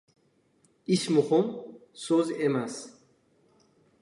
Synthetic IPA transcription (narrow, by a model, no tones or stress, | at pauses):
ismuχomsozemas